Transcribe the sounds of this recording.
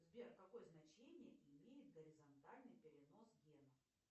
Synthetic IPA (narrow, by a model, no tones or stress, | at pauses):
zbʲerkɐko̞jəznɐt͡ɕenʲɪjəʔɪmʲejɪt̪̚ɡəɾʲɪzɐnt̪alʲnɨjpʲɪɾʲɪno̞sɡʲenəf